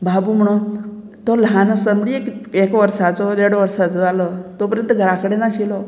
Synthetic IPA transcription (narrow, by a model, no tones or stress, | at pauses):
babum̤əɽ̃õ | t̪oləɦanəsəmbɽiekekʋəɾsat͡sɔdeɽʋəɾsat͡sɔd͡zaləːt̪opəɾjənt̪əɡʱəɾakəɽenat͡ɕilɔ